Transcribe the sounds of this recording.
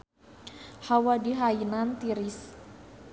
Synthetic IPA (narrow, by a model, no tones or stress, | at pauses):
hawadiɦainant̪iɾis